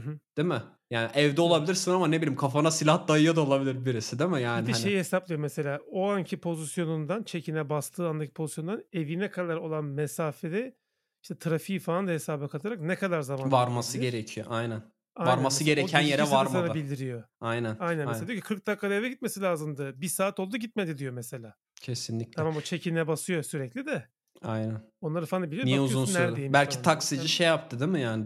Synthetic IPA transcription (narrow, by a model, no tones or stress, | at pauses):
ɯɦɯd̪̥emɪ | jaːniʔɛvd̪ɛo̞lˠabilʲiɾsinamanebilʲimkʰafanasilʲaht̪̚d̪ajɯjad̪ao̞lˠabilʲiɾbiɾisid̪emɪjaːiʃejihesaplˠijo̞mese̞lʲaːoaɲcʰipʰo̞zisjo̞nund̪ant͡ʃʰe̞cʰinɛbast̪ʰɯːand̪acʰi̥pʰo̞zisjo̞nd̪ane̞vinɛkʰad̪aɾo̞lˠanmesaːfed̪ɛ | iʃt̪ʰɛt̪ʰɯɾafijifaand̪ahe̞saːbɛkʰat̪ʰaɾaknekʰad̪aɾzamanvaɾmasɯɟe̞ɾecʰijoʔajnæn | ajvanɾmasɯɟe̞ɾecʰænjeɾɛvaɾmanabilʲd̪iɾijo̞ajnænajnæneead̪jocʰi̥kʰɯɾk̚d̪akʰːad̪aevɛɟit̪̚me̞silʲaːzɯmd̪ɯbisaːt̪ʰo̞lˠd̪uɟit̪med̪id̪ijo̞mese̞lʲaː | cʰesinlʲiclʰamambut͡ʃʰe̞cʰinɛbasɯjo̞syɾɛclʲid̪ɛ | ajnænonlˠaɾɯfaand̪abilʲijniɛuzunnnæɾejimbælʲcʰit̪ʰaksid͡ʒiʃejap̚t̪ʰɯd̪emɯjaːnɪ